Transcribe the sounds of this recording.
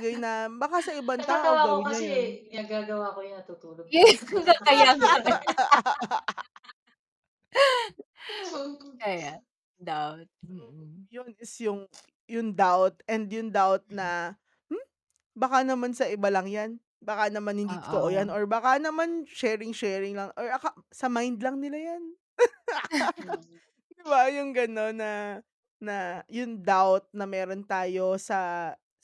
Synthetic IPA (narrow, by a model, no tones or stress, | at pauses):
ɡajnɐbakasɐʔɪbant̪aːʔɡɐwaɐownɐɐɛɪnɐɡaːɡɐwakojʊɐt̪ʊt̪uːloɡɐkɐjak | kɐja | d̪awt̪̚m̩jonɪsjʊŋ | jʊŋd̪awt̪̚ʔɛnd̪jʊŋd̪awt̪̚nɐ | m̩ | bakanɐmansɐʔɪbalɐŋjan | bakanɐmanhɪnd̪iʔt̪oʔojanʔoɹbaːkanɐmanʃɛːɹɪŋʃɛɹɪŋlɐŋʔoɹɐkasɐmajnd̪lɐŋnɪlajan | d̪ɪbajʊŋɡɐno̞nːɐ | nɐjʊŋd̪awt̪̚nɐmɛːɾo̞nt̪aːjo̞sɐ